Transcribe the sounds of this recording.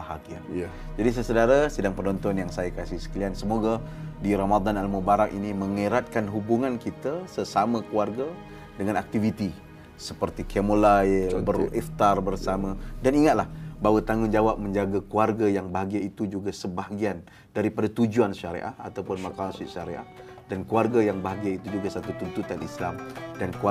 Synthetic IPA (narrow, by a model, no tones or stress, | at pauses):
baɦakia̰n | d͡ʒadis̬ajasədaɾasədaŋpənɔnt̪ɔnjaŋsajakasɪhsə̥kəliansəmoɡadiɾamad̪analmubaɾaŋʔiniməŋiɾat̪̚kanɦubuŋãnkit̪asəsamə̃kuarɡa | dəŋanak̚t̪ivit̪i | səpərt̪ikʰemolabərift̪arbərsamãdaniŋat̪̚lahbawat̪aŋʊnd͡ʒawap̚mə̃ɲd͡ʒaɡakuarɡajaŋbaɦaɡiait̪ud͡ʒuɡasəbaɦaɡian | daɾipadat̪ud͡ʒuanʃaɾḛʔa̰hat̪awpʊnmakaansɪʔʃaɾḛʔa̰h | dankuarɡajaŋbaɦaɡiait̪ud͡ʒuɡasat̪ut̪unt̪ut̪anislamdank